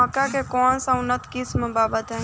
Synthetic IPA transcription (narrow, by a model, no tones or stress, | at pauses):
əkakekɔːnsɐʊnət̪kɪsməbaːbət̪ɦɛ̃